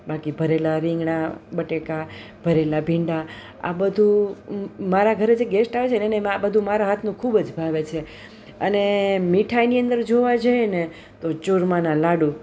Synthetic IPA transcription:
bakibʱəɾelaɾĩŋɡɳabəʈeka | bʱəɾelabʱiɳɖa | a̰bəd̪ʱũ | maɾaɡʱəɾed͡ʒeɡesʈaʋet͡ʃʰenenemabəd̪ʱũmaɾaɦat̪ʰnũkʰubəd͡ʒbʱaʋet͡ʃʰe | ənemiʈʰajniə̃nd̪əɾd͡ʒoʋad͡ʒəene | t̪ot͡ʃuɾmanãlaɽũ

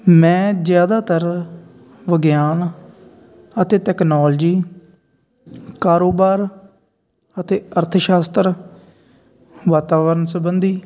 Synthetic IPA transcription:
mɛ̃ːzjaːd̪aːt̪əɾ | ʋəɡjaːn | ət̪eːʈɛːknoːld͡ʒiː | kaːɾoːbaːɾ | ət̪eːəɾt̪ʰəʃaːst̪əɾ | ʋaːt̪aːʋəɾənsəbənd̪iː

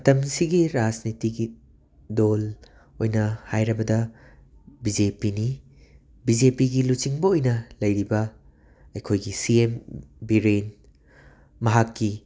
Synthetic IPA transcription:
tɐmsiɡiɾad͡ʒnitiɡi | dol | ojnɐhajɾɐbɐdɐ | bid͡ʒepini | bid͡ʒepiɡilut͡ʃiŋbɐojnɐlɐjɾibɐ | ɐjkʰojɡisiembiɾen | mɐɦakːi

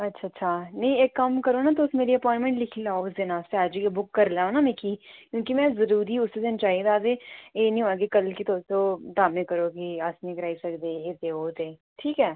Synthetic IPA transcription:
ɐtːʃʰaːtːʃʰaːnɐɦĩekːəmkəɾoːnaːt̪oʊsmeːɾiəpɔːɳʈmẽɳʈlɪkʰlaːoʊsd̪ɪnãːʊseəd͡ʒjebʊkːəɾlaːonaːmɛ̃ːkiːkjõːkimɛ̃ːzəɾuːɾiʊsed̪ɪnt͡ʃaːɦid̪aːzeeːnɦĩaːɡikəlkit̪oːtoːd̪aːmẽkəɾoːkiasnẽkəɾaːisɐkd̪eːeːd̪eːoːt̪eː | ʈʰiːkɦɛː

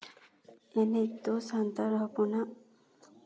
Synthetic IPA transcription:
eneit̪ːosant̪aɾɦopuna

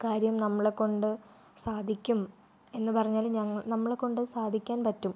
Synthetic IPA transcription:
kaːɾjɐmnɐmːɐɭekːo̞ɳɖɨ | saːd̪ʱikʲːum | e̞nːɨpɐrɐɲːaːlɲɐŋːɐɭnɐmːɐɭekːo̞ɳɖɨsaːd̪ʱikʲːaːnpɐtːum

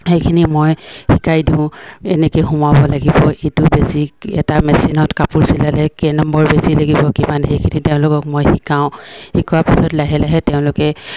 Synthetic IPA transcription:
hejkʰinimojhikajdĩʊ̃ɛnɛkojxumabɔlaɡibɔʔitʊbesikɛ̰tamɛsinɔtkapuɹsilalɛkɛnɔmbɔɹbesilaɡibɔkibanxejkʰiniteʊ̃lʊkɔkmojxikaʊ̃hikuwapisɔtlaɦɛlaɦɛtɛʊ̃lʊkɛ

